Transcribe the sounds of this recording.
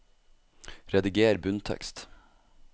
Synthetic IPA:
ɾɛd̪ɪɡeːɾbʉnt̪ʰɛ̰kst̪

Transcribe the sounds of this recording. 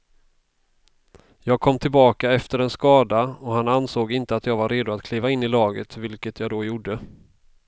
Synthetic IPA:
jɑːɡ̚kʰɔmːt̪ʰɪlbɑːkaɛft̪əɾɛnskɑːd̪aɔhanansoːɡɪnt̪əat̪jɑːɡvaɾːeːd̪ʊat̪kʰliːvaɪnːɪlɑːɡət̪vɪlkət̪ʰjɑːɡd̪ɔjuɖːə

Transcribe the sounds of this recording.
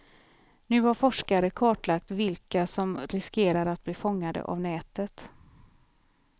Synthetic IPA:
nʉ̟ːhaɾfɔʂkaɾəkʰɑːʈlak̚t̪vɪlkasɔmɾɪskeːɾaɾat̪̚bliːfɔŋːad̪ə̰ʔa̰vnɛːt̪ət̪

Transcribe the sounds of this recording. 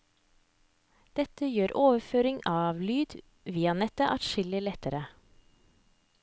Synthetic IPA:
d̪̥ɛt̪əjøːɾʔoːʋəføːɾɪŋɑːʋlyːd̪ | ʋiːɑnɛt̪əʔɑt̪ʃɪləlɛt̪əɾə

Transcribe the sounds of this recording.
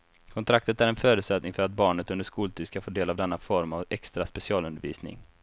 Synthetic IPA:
kʰɔnt̪ʰɾak̚t̪ət̪æɾɛnfœːɾʉt̪sɛt̪nɪŋfœɾat̪̚bɑːɳət̪ɵnd̪əʂkuːlt̪ʰyːʂkafoːɖeːlavd̪ɛnːafɔɾmavɛkst̪ɾaspɛsɪɑːlɵnd̪əɾvḭːsnɪ̰ŋ

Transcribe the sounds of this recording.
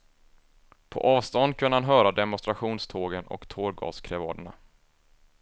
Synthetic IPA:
pʰɔ̰ʔɑːvst̪ɔnd̪̚kʰɵnːəhanɦœːɾad̪ɛmʊnst̪ɾaɧuːnst̪ʰoːɡənɔ̰kt̪ʰoːɾɡɑ̰ːskʰɾɛvɑ̰ːɖ̪əɳa̰

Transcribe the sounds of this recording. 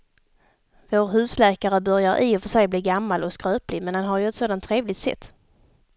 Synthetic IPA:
voːɾɦʉ̟ːslɛːkaɾəbœɾjaɾʔḭːɔfœʂɛjbliːɡamːalɔkskɾøːplɪmɛnhanɦaɾjɵɛt̪soːd̪ant̪ʰːɾeːvlɪt̪sɛ̰t̪ː

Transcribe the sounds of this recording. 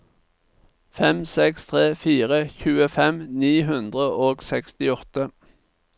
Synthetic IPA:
fɛmsɛkst̪ʰʁeːfiːʁəçʉːəfɛmniːɦʉnd̪ʁəʔoːɡsɛkst̪ɪɔt̪ə

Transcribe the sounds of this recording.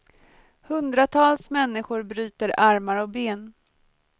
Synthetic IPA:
hɵnd̪ɾat̪ʰɑːlsmɛnːɪɧʊɾbɾyːt̪əɾaɾmaɾɔk̚beːn

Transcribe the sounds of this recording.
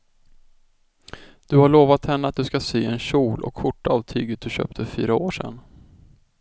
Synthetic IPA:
d̪̥ɵhaɭoːvat̪hɛnːəat̪̚d̪ɵskasyːɛnɕuːlʔɔ̰kːʊʈːaːvt̪ʰyːɡət̪̚d̪ɵɕø̰ːp̚t̪ʰəfœfyːɾaoːʂɛ̰nː

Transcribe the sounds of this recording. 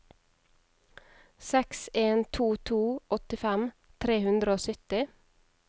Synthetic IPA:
sɛkseːnt̪ʰuːt̪ʰuːʔɔt̪ɪfɛm | t̪ʰɾeːhʉnd̪ɾəoːsʏt̪ɪ

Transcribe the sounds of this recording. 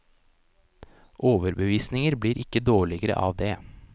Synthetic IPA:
ʔoːʋəɾbəʋiːsnɪŋəɾbliːɾʔɪkːəd̪oːɭɪɡəɾə̰ʔɑ̰ːʋd̪eː

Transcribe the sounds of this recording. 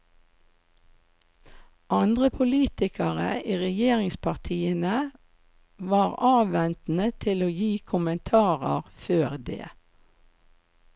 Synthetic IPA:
ʔɑnd̪ʁəpʰʊliːt̪ɪkəʁə̰iːʁɛjeːʁɪŋspʰɑʁt̪ʰiːənə | ʋɑːʁɑːʋʋɛnt̪n̩ət̪ʰɪloːjiːkʰʊmənt̪ʰɑːʁə̰ʁføːʁd̪ḛː

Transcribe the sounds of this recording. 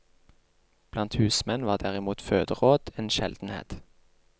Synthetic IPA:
b̥lɑnt̪hʉːsmɛnʋɑːʁd̪æʁɪmuːt̪føːd̪əʁoːd̪̥eːnʃɛ̰ld̪̥n̩hḛːt̪

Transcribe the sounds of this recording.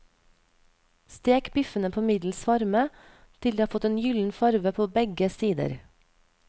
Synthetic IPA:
st̪eːkbʏfənəpʰoːmɪd̪l̩sʋɑɾmə | t̪ʰɪld̪iːhɑːfɔt̪eːnjʏln̩fɑɾʋəpʰoːbɛɡəsiːd̪ə̰ɾ

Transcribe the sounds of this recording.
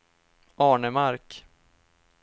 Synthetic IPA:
ʔɑːɳəmaɾk

